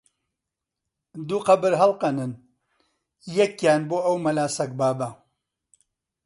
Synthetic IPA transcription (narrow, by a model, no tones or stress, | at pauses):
d̪uːqɐbɨɾɦɐlˠqɐnɨn | jɐkjaːnboːɐwmɐlaːsɐk̚baːbɐ